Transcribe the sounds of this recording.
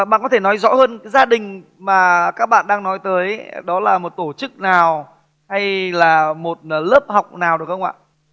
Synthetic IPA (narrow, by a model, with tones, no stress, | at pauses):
ɓa̰ː˧˨nkɔ˨˦t̪ʰe˧˩nɔ˨˦jzɔ̰˧˥həː˧nkaː˨˦jzaː˧ɗï˨˩ŋ̟ | maː˨˩kaː˦˥k̚ɓa̰ː˧˨nɗaː˧ŋnɔ˨˦jt̪əː˨˦jɗɔ˨˦laː˨˩mo˨˩t̚t̪o˧˩t͡ɕɨ˦˥k̚naː˨˩w | ha˧jlaː˨˩mo˨˩t̚ləː˦˥p̚ha˨˩wk͡p̚naː˨˩wɗɨ˨˩ək̚xə˧wŋ͡mʔa̰ː˧˨ʔ